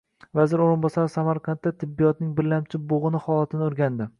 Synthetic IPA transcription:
vazɪɾoɾɪnbɒsaɾɪsamaɾqʰɑnt̪ːat̪ʰɪbːijɒt̪̚nɪŋbɪɾlamt͡ʃʰɪboʁɨnɪhɒlˠat̪ʰɪnɪʊɾɡʲand̪ɪ

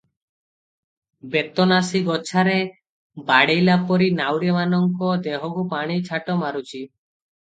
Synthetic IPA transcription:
bet̪ɔnasiɡɔt͡ʃʰaɾe | baɽejlapɔɾinawɾjemanɔŋkɔd̪eɦɔkupaɽ̃it͡ʃʰaʈɔmaɾut͡ʃʰi

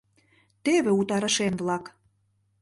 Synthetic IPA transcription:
t̪eβĕut̪ɑɾə̆ʃenβlɑk

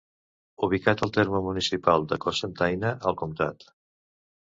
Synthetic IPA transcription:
uβ̞ikat̪əlˠt̪eɾməmunisipalˠd̪əkɔsənt̪ajnəʔəlˠkumt̪a̰t̪

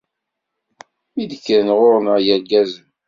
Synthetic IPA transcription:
mid̪əkːəɾnʁʊɾnəʁjæɾɡæzəm

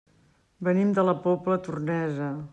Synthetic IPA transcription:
bənimd̪ələpɔplət̪urnɛzə

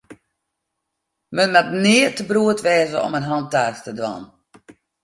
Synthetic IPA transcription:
mənmɛt̚nɪətəbruətʋɛːzəɔ̰mənɦɑntaːstədwa̰n

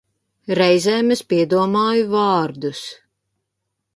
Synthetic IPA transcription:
ɾɛjzɛːmɨspiɛd̪uɔmɑːjuvɑːɾd̪us

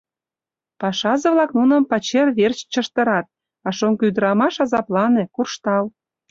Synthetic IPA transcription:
pɑʃɑzɤ̆βlɑknunə̆mpɑt͡ɕerβert͡ɕt͡ɕəʃt̪ə̆ɾɑt̪̚ | ɑʃoŋkyd̪əɾɑmɑʃɑzɑplɑnekurʃt̪ɑl

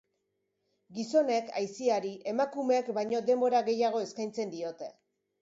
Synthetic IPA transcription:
ɡiso̞ne̞kʰajsiaɾiʔe̞makumeekbajɲo̞d̪e̞mbo̞ɾaɣe̞jaɣ̞o̞e̞skajnt͡se̞nd̪io̞t̪e̞

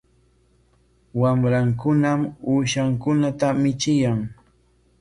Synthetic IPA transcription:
wamɾaŋkʊnamuːʃaŋkʊnat̪amɪt͡ʃɪjaŋ

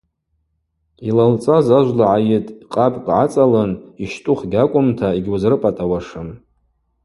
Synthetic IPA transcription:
ilalt͡sʼazaʒʷlaʕajɪtʼqʼapʼɡʼʕat͡sʼalɨniʃtʼʊχɡʲakʷʼʊmtʰaiɡʲwazrɨpʼatʼawaʂɨm

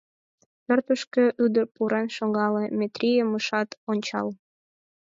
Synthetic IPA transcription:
pørt̪əʃkø̆ʔyd̪ərpuɾenʃoŋɡɑlemʲet̪rʲijəməʃɑt̪onʲt͡ɕɑ̰l

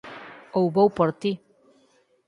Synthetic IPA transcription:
owβowpoɾt̪i

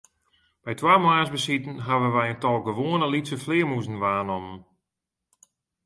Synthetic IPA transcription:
b̥ɛjtwaːmaːsbəsitən̩ɦaʋəʋɛjəntɔlˠɡəʋoənəlitsəflɪəmuzən̩ʋaːnɔmən

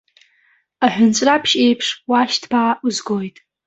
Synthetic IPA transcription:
aħᶣʊnt͡sʷʼrapʰʃe̞jpʰʂwaʃtʰbaːʔuzɡojtʼ

